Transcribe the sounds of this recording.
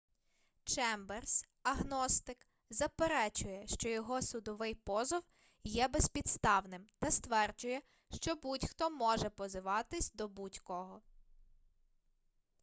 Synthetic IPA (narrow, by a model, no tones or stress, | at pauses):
t͡ʃɛmbɛrs | ɐɦnɔst̪ɪk | zɐpeɾɛt͡ʃʊjɛʃt͡ʃɔjɔɦɔsʊd̪ɔʋɪjpɔzɔw | jɛbɛspʲid̪st̪ɑwnɪmt̪ɐst̪ʋɛrd͡ʒʊjɛ | ʃt͡ʃɔbutʲxt̪ɔmɔʒɛpɔzɪʋɑt̪ɪsʲd̪ɔbutʲkɔɦɔ